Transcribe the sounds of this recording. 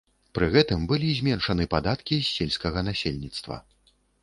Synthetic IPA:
pɾɨɣɛt̪ɨmbɨlʲizʲmʲɛnʂɐnɨpad̪at̪kʲisʲːelʲsʲkɐɣɐnasʲelʲnʲit̪st̪vɐ̰

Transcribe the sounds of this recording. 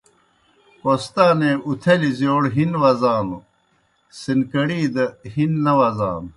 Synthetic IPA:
post̪aːneut̪ʰelizjoːɽɦinwɐzaːno | sinkɐɽiːd̪ɐhinːɐwɐza̰ːn

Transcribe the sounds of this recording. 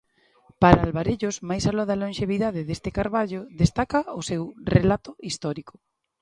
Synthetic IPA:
paɾaalβaɾeʎʊsmajsalɔðɐlõnʃeβiðaðɪðest̪ɪkaɾβaʎʊðest̪akɐʊsewrelat̪ʊist̪ɔɾikʊ

